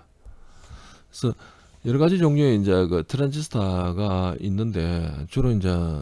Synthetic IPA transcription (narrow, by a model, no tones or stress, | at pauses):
esʰʌ | jʌɾʌɡad͡ʑid͡ʑoŋɲoeind͡ʑe̞kɯtʰɯɾanɕ̬ʰisʰɯ̥tʰaɡaḭnːɯnde̞̰t͡ɕoɾoind͡ʑe̞